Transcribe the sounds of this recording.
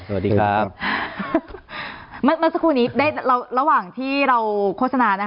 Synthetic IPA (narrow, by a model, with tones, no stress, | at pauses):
sɐ˧wa˨˩diː˧a˦˥ | ma˧˥nma˧˥˩nsa˧kʰuː˧nːiː˦˥daː˥˩jɾa˧wɾa˧waː˨˩ŋt̪ʰiː˥˩ɾa˧wkʰo˥˩t̚sa˧naː˧na˦˥